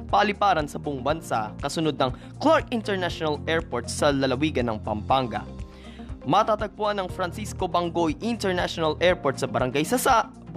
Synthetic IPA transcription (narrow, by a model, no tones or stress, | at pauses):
pɐʔɐlɪpaːɾɐnsɐboŋbɐnsa̰ʔkɐsʊnod̪̚nɐŋ | klaɹkɪnt̪ɛɹnaʃonɐlʔɛɹpoɹt̪sɐlɐlɐwiːɡɐnːɐŋpɐmpaŋɡɐ̰ | mɐt̪at̪ɐɡ̚pʊʔanːɐŋfɾɐnsisko̞bɐŋɡojʔɪnt̪ɛɹnaʃonɐlʔɛɹpoɹt̪̚sɐbɐɾɐŋɡajsɐsaʔ